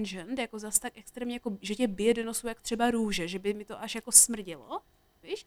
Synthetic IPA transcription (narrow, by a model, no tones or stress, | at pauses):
nʒɛnt̪jako̞zast̪ak̚ʔɛkst̪ɾɛːmɲɛjakoʒɛcɛbɪjɛdonosuwjakt̪r̥ɛbaɾuːʒɛʒɛbɪmɪt̪o̞ʔaʃjako̞smr̩ɟɪlo̰ | viːʃ